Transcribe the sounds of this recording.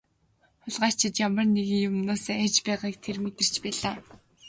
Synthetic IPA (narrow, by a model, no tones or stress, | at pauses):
χʊɮʁḁːt͡ɕʰɪ̆t̪jamə̆rneɣĭŋjʊmnoːseːæt͡ɕpæːʁiːk̚t̪ʰermet̪ɘ̆r̥t͡ɕpæːɮaː